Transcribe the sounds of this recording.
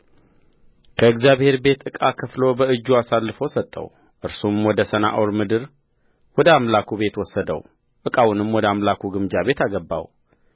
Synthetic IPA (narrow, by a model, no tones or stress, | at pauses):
kʰəɨɡzjaβhe̞ɾbe̞t̪ɨkʼakʰəflo̞bəɨd͡ʒːuasalːɨfəwsət̪ʼːə̰w | ʔɨɾsumwɔd̪əsəna̰ʔowɾmɨd̪ɨɾ | wɔd̪əamlakʰube̞t̪wɔsːəd̪ə̰w | ʔɨkʼawunɨmwɔd̪əamlakʰuɡɨmd͡ʒaβe̞t̪aɡəbːa̰w